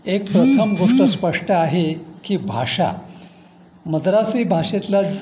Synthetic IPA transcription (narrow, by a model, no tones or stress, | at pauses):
ek̚pɾət̪ʰəmɡoʂʈəspəʂʈəaɦekiːbʱa̰ʂa̰ | məd̪ɾasibʱaʂet̪la